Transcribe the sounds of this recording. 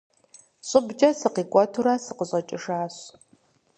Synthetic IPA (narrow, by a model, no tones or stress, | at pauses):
ɕʼʊbd͡ʒɐsɨqiːkʷʼɔtʰuɾasɨqəɕʼɐt͡ʃʼɪʂaːɕ